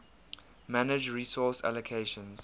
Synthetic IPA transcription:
manɪd͡ʒɹisɔsa̰ləkʰeɪʃə̃nz̥

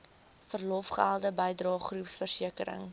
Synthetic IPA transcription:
fərlɔfχælˠdəbəjdrɑːχrupsfərsiəkəɾə̰ŋ

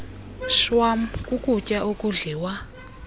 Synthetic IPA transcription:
ʃwamkʼukʼucʼaʔukʼuɮiːwa

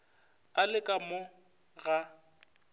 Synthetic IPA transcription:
alɪkʼamʊ | ɣa

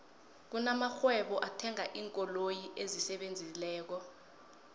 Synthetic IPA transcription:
k̬unamaxwɛɓɔʔatʰɛŋaʔiːŋkʼɔlojiʔezisɛɓend͡zʱilɛːk̬ɔ

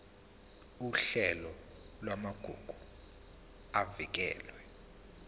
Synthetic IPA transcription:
uɬɛlɔ | lwamaɡ̥ʱuɡ̥ʱu | avik̬ɛ̰ːlwɛ

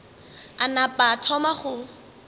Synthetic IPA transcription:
anapʼatʰɔmaχʊ

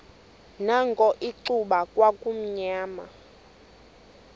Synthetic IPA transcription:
naŋɡʱɔʔiǀuɓakʼwakʼum̩ɲaːma̰

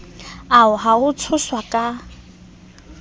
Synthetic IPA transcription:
aʊɦaʊt͡sʰʊswakʼa

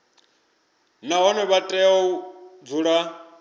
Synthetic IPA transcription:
naɦɔnɛβatʼɛɔud͡zuɺa

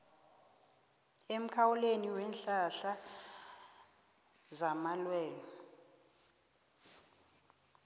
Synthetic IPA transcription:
em̩kʰawuleniwɛnɬaɬa | zamalwɛːnɔ

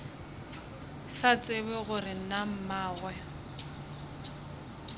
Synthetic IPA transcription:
sat͡sʼɪβɪɣʊrɪnam̩maːɣwɛ

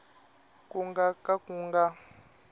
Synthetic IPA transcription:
kuŋɡakakuːŋɡa

